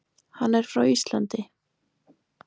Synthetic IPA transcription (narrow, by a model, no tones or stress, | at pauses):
hanːɛɾ̥fɾawist̪la̰nt̪ɪ